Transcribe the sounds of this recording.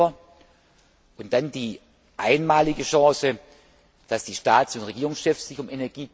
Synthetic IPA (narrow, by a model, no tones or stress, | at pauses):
ɐ | ʔʊnt̚d̥andiː | ʔaɪnmaːlɪɡəʃɑ̃ːsə | d̥asd̥iːʃtaːtsʊntʁeɡiːʁʊŋsʃɛfsɪçʊmʔenɛɐɡiː